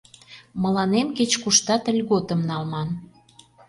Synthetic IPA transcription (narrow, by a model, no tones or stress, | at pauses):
mə̆lɑnemket͡ɕkuʃt̪ɑt̪ə̆lʲɣot̪ə̆mnɑlmɑn